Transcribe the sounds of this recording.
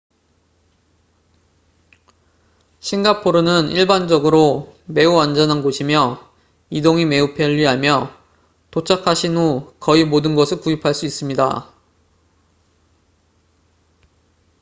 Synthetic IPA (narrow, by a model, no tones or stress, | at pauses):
ɕʰinɡapʰoɾonɯniɭband͡ʑʌɡɯɾome̞uand͡ʑʌnɦanɡoɕʰimjʌ | idoŋime̞upʰjʌʎːiɦamjʌ | tot͡ɕʰakʰaɕʰinokʌimodɯnɡʌsʰɯɭkujipʰaɭs͈uis͈ɯmɲida̰